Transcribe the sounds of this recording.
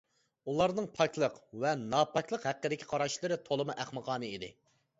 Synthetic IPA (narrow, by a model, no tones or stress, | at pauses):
ulˠɑɾnɨŋpʰɑkʲʰlˠəqvɛnɑpʰɑkʲlˠəqhæqːəd̪ɪkʲʰi̥qʰɑɾɑʃlˠɨɾɪt̪ʰolˠɨmɨʔæχmɨqʰɑːnɨid̪ɪ̰